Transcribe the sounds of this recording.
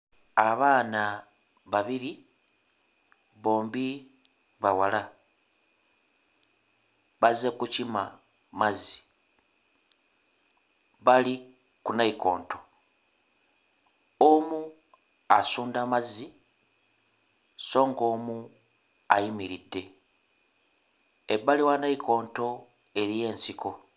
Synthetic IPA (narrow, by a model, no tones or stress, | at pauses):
aβaːna | βaβiɾi | βo̞ːmbi | βawala | βazekucima̰ | mazi̥ | βali | kunaiko̞̰ːnto̞ | omu | asuːndamazi | so̞ːŋɡo̞ːmu | ajimiɾidːe̞ | eβaliwanaikʰo̞ːnto̞ | e̞ɾije̞ːnsikʰo̞